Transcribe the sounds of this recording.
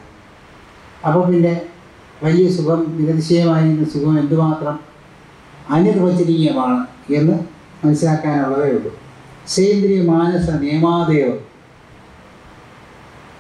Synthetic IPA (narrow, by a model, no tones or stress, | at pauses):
ɐpɐpinde̞ | ʋɐlijɐsukɐmʋiɣɐðiɕɐjɐmaːjiɾinːɨsukɐmend̪ɨmaːt̪rɐm | ɐnːirʋɐt͡ɕːiɾikːijɐmaːɳɨ | e̞nːɨ | mɐnɐsilaːkːaːnuɭːɐðejuɭːu | ɕejɐnd̪ɾijɐmaːnɐsɐneːmaːd̪ɐjoː